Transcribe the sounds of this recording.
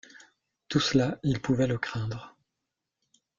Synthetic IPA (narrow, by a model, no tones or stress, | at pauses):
t̪uslailpuvɛləkχɛ̃d̪ʁə